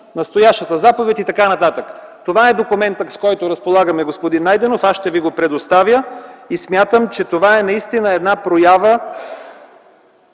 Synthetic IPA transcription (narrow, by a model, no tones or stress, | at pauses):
nɐst̪ojaʃt̪ət̪əzapovɛt̪it̪ɐkanɐt̪at̪əkt̪ovaɛd̪okʊmɛnt̪əskɔjt̪oɾəspolˠaɡəmɛɡospod̪inːajd̪ɛnofasʃt̪ɛviɡopɾɛd̪ost̪avjəismʲjat̪əmt͡ʃɛt̪ovaɛnɐist̪inəɛd̪napɾojavə